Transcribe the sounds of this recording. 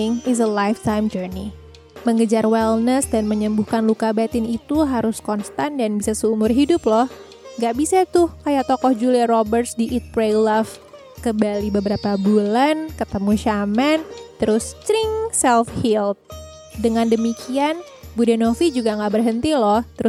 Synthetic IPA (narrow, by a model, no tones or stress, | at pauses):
ŋɪs̬əlajft̪ajmd͡ʒərni | məŋɡəd͡ʒarwɛlnəsdanməɲəmbuhkanlukabat̪ɪnit̪uɦaɾʊskɔnst̪andanbisasəumʊrɦidʊplɔh | ŋɡaʔbisat̪ʊhkajaʔt̪ɔkɔhd͡ʒuliaɾobərsdiʔit̪̚pɾelaf | kəmbalibəbəɾapabulankət̪əmuʃamɛnt̪əɾʊst̪ɾɪŋsɛlfhilt̪̚ | dəŋandəmikʰian | budanofid͡ʒuɡaŋɡaʔbərɦənt̪ilɔht̪əɾʊs